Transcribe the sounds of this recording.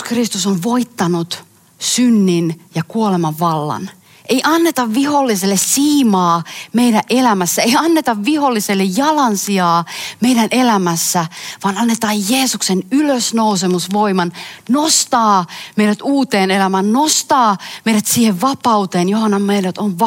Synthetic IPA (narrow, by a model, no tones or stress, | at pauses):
krist̪usoɱʋoit̪ːɑnut̪ | synːinjɑkuolemɑʋːɑlːɑ̰n | ʔeiʔɑnːet̪ɑʋʋiholːiselːessiːmɑːmeiɾæʔelæmæsːæeiɑnːet̪ɑʋʋiholːiselːejjɑlɑnsiɑːmeiɾænʔelæmæsːæʋɑːnɑnːet̪ɑːjjeːsuksenyløsnousemusʋoimɑnnost̪ɑːmeiɾæt̪uːt̪eːnelæmæːnnost̪ɑːmejɾæt̪siːheʋʋɑpɑut̪eːnjohɑnːɑmmeiɾæt̪onʋ